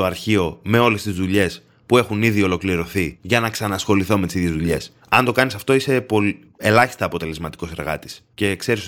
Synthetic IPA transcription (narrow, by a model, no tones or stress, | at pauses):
oɐɾçio̞me̞o̞le̞st̪izðuʎe̞s | pue̞xuniðio̞lo̞kliɾo̞θiʝɐnɐksɐnɐsxo̞liθo̞me̞t̪isiðʝe̞zðuʎe̞s | ɐnd̪o̞kɐnisɐft̪o̞ise̞po | elɐçi̥st̪ɐːpo̞t̪e̞le̞zmɐt̪iko̞se̞ɾɣɐ̰t̪i̥sce̞kse̞ɾis